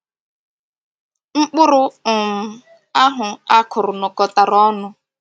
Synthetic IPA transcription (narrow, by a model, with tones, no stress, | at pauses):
ŋ͡m̩˦k͡pʊ˦ɾʊ˦ʊ˨m̩˨ | a˦ɦʊ˨a˦kʰʊ˨ɾʊ˨nɔ˨kɔ˨ta˨ɾɔ˦nʊ˨